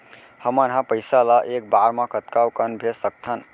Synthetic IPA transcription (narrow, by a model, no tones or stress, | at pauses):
həmənɦãpəɪsalaʔek̚baɾmãkət̪kawkənbʱesək̚t̪ʰən